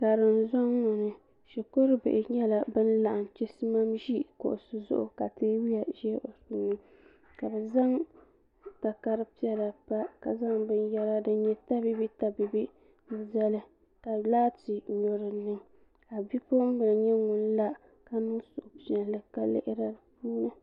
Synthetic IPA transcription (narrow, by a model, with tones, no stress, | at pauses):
ka˨dɨ˨n˦zɔ˦ŋːʊ˨nɨ˨ | ʃi˨ko˦ɾɨ˦bɪ̰˨ʔɪ˨ɲɛ˦la˨bɨ˦n˦la˨ʔn˨t͡ʃɪ˦sɨ˦ma˦mʒi˦ko̰˨ʔʊ˨sɨ˨zʊ̰˦ʔʊ̰˨ka˨teː˦wi˦a˨ʒɛ˦ʔo˨su˦nːɨ˦ | ka˨bɨ˨za˦ŋ | ta˨ka˦ɾɨ˦pi˦ɛ˦la˨pa˦ka˨za˦ŋbɨ˦njɛ˦ɾa˦dɨ˨ɲɛ˦ta˦bi˦bi˦ta˦bi˨bi˦˨ | za˦lɨ˦ | ka˨laː˦ti˨no˨ɾɨ˨nɨ˦ŋ | a˨bi˦po˦m˦bɨ˨lɨ˨ɲɛ˦ŋʊ˨n˦la˦ | ka˨nɨ˦ŋsʊ˨ʔʊ˨pi˦ɛ˨lɨ˦ka˨lɪ̰˦ʔɪ˦ɾa˦ɨ˨puː˦nɨ˦